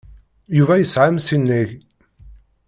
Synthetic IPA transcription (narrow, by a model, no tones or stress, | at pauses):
juvæjəsʕamsinːiʝ